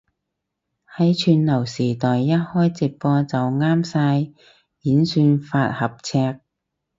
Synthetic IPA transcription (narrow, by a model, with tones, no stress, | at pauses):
hɐ˨˥jt͡ʃʰyː˧nlɐ˨˩wsiː˨˩t̪ɔː˨jːɐ˥t̚hɔː˥jt͡sɪ˨˩k̚pɔː˧t͡sɐ˨wŋaː˥msaː˧j | jiː˨˥nsyː˧nfaː˧t̚hɐ˨p̚t͡sʰɛː˧k̚